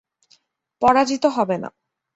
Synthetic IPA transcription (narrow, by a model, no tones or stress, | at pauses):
pɔɽad͡ʑit̪oɦɔbena̰